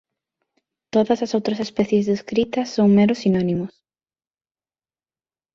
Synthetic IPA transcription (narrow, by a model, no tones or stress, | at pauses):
t̪oðɐsɐsowt̪ɾɐsespɛθjezðeskɾit̪ɐsːoŋmeɾʊsinɔnimʊs